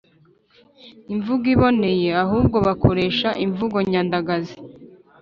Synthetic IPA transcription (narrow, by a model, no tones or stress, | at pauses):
iɱvuɡiβo̞ne̞je̞aɦuːb̚ɡo̞βakʰo̞ɾe̞ːʃaʔiɱvuɡo̞ɲaːndaɡazi